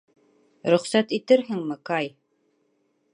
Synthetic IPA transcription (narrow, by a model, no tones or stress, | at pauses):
ɾɵ̆χsæt̪it̪ɘɾɦɘŋmɘ̆kɑj